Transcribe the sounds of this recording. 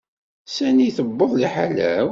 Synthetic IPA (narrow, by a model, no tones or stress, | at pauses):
sæniθəbːəðˤliħalæ̰